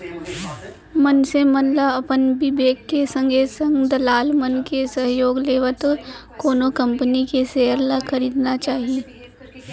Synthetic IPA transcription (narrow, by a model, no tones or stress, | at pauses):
mənsemənlaɐpənbɪbeːkːesə̃ŋɡʱesə̃ŋɡd̪ɐlaːlmənkesɐɦjoːɡleːʋət̪koːnokɐ̃mpənikeseːəɾlakʰɐɾiːd̪nat͡ʃaːɦijeː